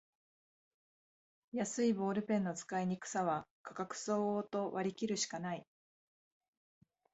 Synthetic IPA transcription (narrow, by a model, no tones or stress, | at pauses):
jasɨibo̞ːɾɯ̟pẽ̞nːo̞t͡sɨ̥kaiɲ̟ikɯ̟̥saβakʰḁkakɯ̟̥so̞ːoːt̪o̞βaɾʲikʲiɾɯ̟ɕi̥kanai